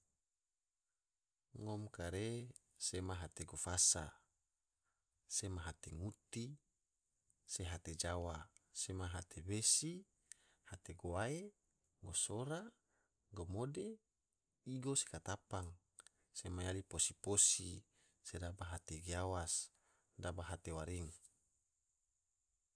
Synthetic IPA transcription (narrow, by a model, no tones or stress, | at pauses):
ŋɔmkaɾe | semaɦat̪eɡofasa̰ | semaɦat̪eŋut̪i | seɦat̪ed͡ʒawasemaɦat̪ʰebesi | hat̪eɡoae | ɡosoɾa | ɡomode | iɡose̥kat̪apaŋ | semajaliposiposi | sedabaɦat̪eɡiawas | dabaɦat̪ewaɾiŋ